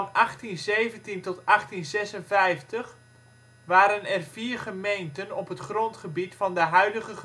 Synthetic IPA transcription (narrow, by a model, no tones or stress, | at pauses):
nʔɑχtinzejvəntintɔtɑχtinzɛsənvɛjftəχ | ʋaːɾənɛrviːrχəmejntənɔpɦətχrɔntχəbitfɑndəɦœɥdəɣəχə